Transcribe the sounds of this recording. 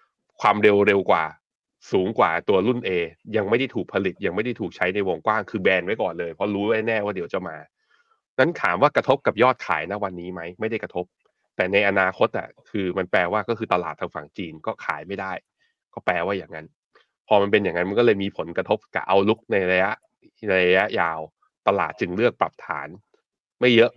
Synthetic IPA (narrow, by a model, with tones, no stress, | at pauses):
kʰwaː˧mɾe˧wɾe˧wkwa̰ː˨˩ | suː˩˦ŋkwa̰ː˨˩t̪u˧ɐlu˥˩nʔeː˧ja˧ŋma˥˩jda˥˩jt̪ʰuː˨˩k̚pʰa˧li˨˩t̪̚ja˧ŋma˥˩jda˥˩jt̪ʰuː˨˩k̚t͡ɕʰa˦˥jna˧jwo˧ŋkwaː˥˩ŋkʰɯː˧bɛː˧nwa˦˥jkɔː˨˩nlɤː˧jpʰɔ˦˥ɾuː˦˥˦aː˥˩nɛː˥˩waː˥˩di˩˦wt͡ɕa˨˩maː˧ | na˦˥nkʰaː˩˦mwaː˥˩kɾa˧t̪ʰo˦˥p̚ka˨˩p̚jɔː˥˩t̪̚kʰa̰ː˩˦jna˦˥wa˧nːiː˦˥ma˦˥jma˥˩jda˥˩kɾa˧t̪ʰo˦˥p̚ | t̪ɛː˨˩na˧jʔa˧naː˧kʰo˦˥t̪̚ʔa̰˨˩kʰɯː˧ma˧nplɛː˧waː˥˩kɔː˥˩ɯː˧t̪a˧laː˨˩t̪ʰːaː˧ŋfa̰˨˩ŋt͡ɕiː˧nkɔː˥˩kʰa̰ː˩˦jma˥˩jdaː˥˩j | kɔː˥˩plɛː˧waː˥˩jaː˨˩ŋːa˦˥n | pʰɔː˧ma˧npe˧njaː˨˩ŋːa˦˥nma˧nkɔ˥lɤː˧jmiː˧pʰo˨˩˦nkɾa˧t̪ʰo˦˥p̚ka̰˨˩ʔa˧wlu˦˥k̚na˧jɾa˧ja˦˥ʔ | ɾa˧ja˦˥ʔjaː˧w | t̪a˧la̰ː˨˩t̪̚t͡ɕɯ˧ŋlɯ˥˩ək̚pɾa˨˩p̚t̪ʰa̰ː˩˦n | ma˥˩jːɤ˦˥ʔ